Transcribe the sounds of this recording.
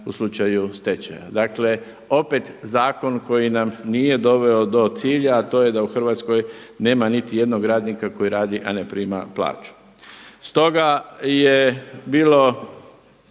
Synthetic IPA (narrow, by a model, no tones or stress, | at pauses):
uslˠut͡ʃajust̪et͡ʃa̰ja̰d̪akle̞ | o̞pet̪zaːko̞nko̞jinamnije̞d̪o̞ʋe̞o̞d̪o̞t̪siːʎaːt̪o̞ːje̞d̪auxr̩ʋat̪sko̞j | ne̞ːmanit̪ije̞d̪no̞ɡɾaːd̪nikako̞jiɾaːd̪iʔanepɾiːma̰plˠa̰ːt͡ʃu̥ | st̪o̞ɡajebiːlo̞